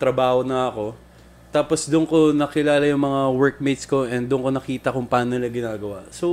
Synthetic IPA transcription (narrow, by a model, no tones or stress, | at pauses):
t̪ɾɐbaːhonɐʔɐko̞ | t̪aːpo̞sd̪ʊnko̞nɐkɪlaːlɐjʊŋmɐŋawɛɹk̚mejt̪sko̞ʔɛnd̪ʊnko̞nɐkiːt̪ɐkʊŋpɐaːnoɪlɐɡɪnaːɡɐwaʔso